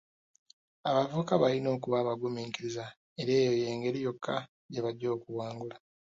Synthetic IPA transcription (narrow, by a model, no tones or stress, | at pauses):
aβavuːkaβalino̞ːkuβaːβaɡumiːŋkiɾiza | eɾeːjo̞je̞ːŋɡe̞ɾijo̞kʰːa | ɟeβaɟːo̞ːkuwaːŋɡula